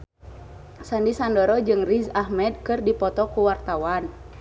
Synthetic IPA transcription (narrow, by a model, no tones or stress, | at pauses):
sandisandɔɾɔd͡ʒɨŋrizahmɛd̪̚kɨrdipɔt̪ɔkuwart̪awan